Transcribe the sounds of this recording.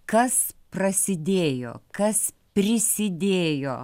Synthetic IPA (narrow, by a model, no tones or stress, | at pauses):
kɐsprɐsʲɪd̪ʲeːjo̰ːkɐs | pʲɾʲɪsʲɪd̪ʲeːjoː